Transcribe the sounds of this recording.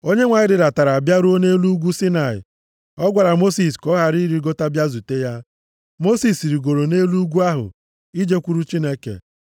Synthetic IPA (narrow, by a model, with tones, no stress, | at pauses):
o˦ɲe˦ŋʷa˨ɲɪ˦ɾɪ˨ɾa˨ta˨ɾa˨bja˦ɾu˦o˦ne˦lu˦u˦ɡʷu˦si˦na˨ɪ̰˨ | ɔ˦ɡʷa˨ɾa˨mo˦si˨skɔ˦ɦa˨ɾi˦ɾi˨ɡo˦ta˦bja˦zu˨te˦ja˦ | mo˦si˦sɾi˨ɡo˨ɾo˨ne˦lu˦u˦ɡʷu˦a˦ɦʊ̰˨ | i˦d͡ʒe˦kʷu˦ɾu˦t͡ʃi˦ne˦kḛ˨